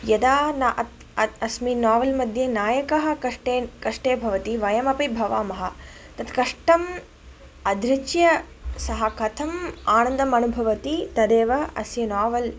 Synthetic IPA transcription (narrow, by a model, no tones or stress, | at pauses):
jɐd̪aːnat̪ | ɐsminaːʋɐlmɐd̪ʱjɐnaːjɐkɐɦɐ̆kɐʂʈeːkɐʂʈeːbʱɐʋɐt̪iʋɐjɐmɐpibʱɐʋaːmɐɦɐ̆ | t̪ɐt̪kɐʂʈɐm | ɐd̪ʱɾɪt͡ʃjɐ | sɐɦɐkɐt̪ʰɐmaːnɐ̃nd̪ɐmɐnubʱɐʋɐt̪it̪ɐd̪eːʋɐɐ̰sjɐnaːʋɐl